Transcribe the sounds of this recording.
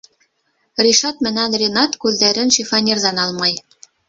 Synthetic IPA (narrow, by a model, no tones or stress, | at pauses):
rʲiʃɑt̪mɘ̆nænrʲɪnɑt̪kʉðːæɾɘnʃifɑnʲerðɑnɑlˠmɑj